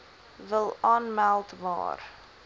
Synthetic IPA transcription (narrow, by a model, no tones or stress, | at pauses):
vəlˠɑːnmælˠtmɑ̰ːr